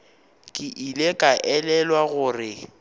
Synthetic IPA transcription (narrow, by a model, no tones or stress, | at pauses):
kʼɪʔilekʼaʔɛlɛlwaɣʊrɪ